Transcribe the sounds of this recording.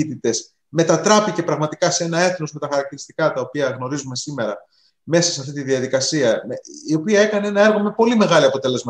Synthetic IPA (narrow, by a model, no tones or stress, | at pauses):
it̪it̪e̞s | me̞t̪ɐt̪ɾɐpice̞pɾɐɣmɐt̪ikɐsee̞nɐe̞θno̞zme̞t̪ɐxɐɾɐk̚t̪iɾist̪i̥kɐt̪ɐo̞piɐɣno̞ɾizume̞sime̞ɾɐ | me̞sɐsɐft̪it̪iðiɐðikɐsiɐio̞piɐe̞kɐne̞e̞nɐe̞ɾɣo̞me̞po̞lime̞ɣɐliɐpo̞t̪e̞le̞zmɐ